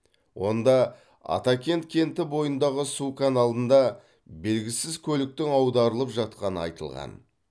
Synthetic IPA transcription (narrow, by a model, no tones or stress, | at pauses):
wʔo̞nd̪ɑ | ɑ̰t̪ɑkʲʰe̞nt̪̚kʲʰe̞nt̪ɪbo̞jənd̪ɑʁəsukanɑlˠd̪ənd̪ɑ | be̞lɡʲɪsɪzkʲʰɵlɪk̚t̪ɪŋɑwd̪ɑɾəlˠəpʒɑt̪̚qɑnəɑ̰jt̪ə̰lˠʁɑ̰n